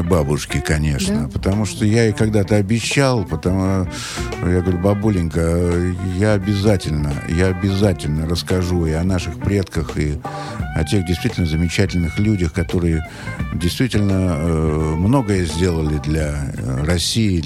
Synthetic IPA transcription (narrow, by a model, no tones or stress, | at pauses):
babʊʂkʲɪkɐnʲe̞̰ʂnəpət̪ɐmuʂt̪ojaikɐɡd̪at̪əɐbʲɪɕːalˠpət̪ɐ | jaɡəvɐɾʲubɐbulʲɪnʲkəjaɐbʲɪzatʲɪlʲnə̰jaɐbʲɪzatʲɪlʲnərəskɐʐuɪɐnaʂɨxpɾʲe̞t̪kəxi | ɐ̰tʲe̞ɣdʲɪjst̪vʲitʲlnəzəmʲɪt͡ɕætʲɪlʲnɨxlʲudʲəxkɐt̪o̞ɾɨjə | dʲɪjst̪vʲitʲɪlʲnə | mno̞ɡəjəzʲdʲe̞lˠəlʲɪd̪lʲɐrɐsʲːiɪ